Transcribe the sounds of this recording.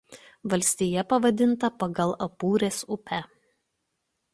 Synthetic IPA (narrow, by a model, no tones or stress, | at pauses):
ʋɐlʲsʲt̪ʲijɛpɐʋɐd̪ʲɪnˑt̪ɐpɐɡɐlˠɐpuːɾʲeːsʊpʲæ